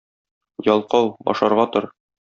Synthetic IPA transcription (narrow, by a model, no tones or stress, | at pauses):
jɒlˠqɑwɒ̰ʃɑɾʁɑt̪oɾ